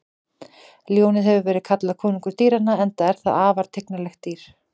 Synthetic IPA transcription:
ljoːwnɪðɦɛvʏɾvɛːɾɪðkʰat̪laðkʰɔːniŋkʏɾ̥t̪iːɾanːaɛnt̪aɛɾ̥θa̰ðaːvaɾ̥t̪ʰeknalɛxt̪t̪ːiːɾ̥

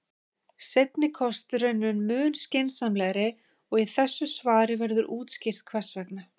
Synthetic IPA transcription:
sejt̪nɪkʰɔst̪ʏɾœnːʏnmʏːnscɪnsanlɛɣɾɪ | ɔɣiθɛsːʏsvaːɾɪvɛɾðʏɾʔuːt̪scɪr̥t̪̚kʰvɛ̥svɛknʏ

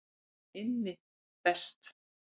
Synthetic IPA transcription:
ɪnːɪ | pɛst̪

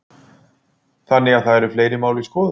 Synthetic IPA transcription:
θanːɪɣaðθaðɛɾʏɾ̥fleːjɾɪmaːwliskɔːð

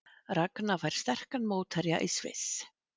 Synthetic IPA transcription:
raknavajɾ̥st̪ɛr̥kanmoːwt̪ʰɛɾja̰ʔisvɪ̰s

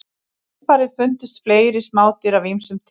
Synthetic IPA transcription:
faːɾɪðfʏnt̪ʏst̪fleːjɾɪsmaːwt̪ɪɾavimsʏmt̪ʰ

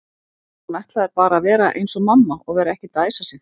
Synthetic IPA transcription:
najht̪laðɛɾpaːɾaːvɛːɾaʔḛjnsɔmamːaɔɣvɛːɾaɛhcɪt̪aːjsasɪ

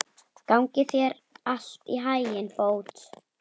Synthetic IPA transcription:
kawŋcɪθjɛɾ | al̥t̪iɦajjɪnpoːwt̪

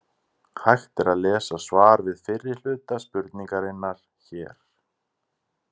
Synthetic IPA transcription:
hʰajxt̪ɛɾaðlɛːsasvaːɾvɪðfɪrːɪ̥l̥ʏːt̪aspʏɾt̪niŋkaɾɪnːaɾ̥ | çɛːɾ̥

